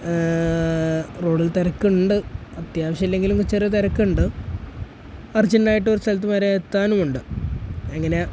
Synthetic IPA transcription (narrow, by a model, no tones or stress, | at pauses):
roːɖilt̪ɐɾɐkːuuɳɖɨɐt̪jaːʋɐɕɐmɐlːe̞ŋɡiluŋkut͡ɕːɐrit̪ɐɾɐkːuuɳɖɨ | ɐrd͡ʑɐnːaːjiʈːo̞ɾust̪ʰɐlɐt̪̬ːɨmɐɾeet̪ːaːnumuɳɖɨ | ɐŋːɐne̞